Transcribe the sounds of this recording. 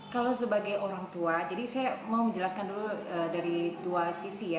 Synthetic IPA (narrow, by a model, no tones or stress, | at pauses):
kalasəbaɡajʔoɾaŋt̪uad͡ʒadisajamauməɲd͡ʒəlaskanduluəːdaɾit̪uasisija